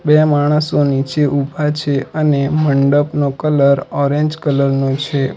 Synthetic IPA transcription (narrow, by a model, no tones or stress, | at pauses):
bemaɽ̃əsonit͡ʃeʔubʱat͡ʃʰeəneməɳɖəpnokələɾɔɾẽɲd͡ʒkələɾnũt͡ʃʰe